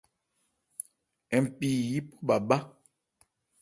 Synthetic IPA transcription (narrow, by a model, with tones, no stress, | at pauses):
ɛ˨m̩˨pi˨ji˦pɔ˦ɓa˨ba˦